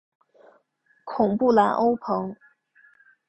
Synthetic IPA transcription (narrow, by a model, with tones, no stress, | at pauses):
kʰʊ˨˩ŋpu˥˩la˧˥nʔo˥ʊpʰɤ˧˥ŋ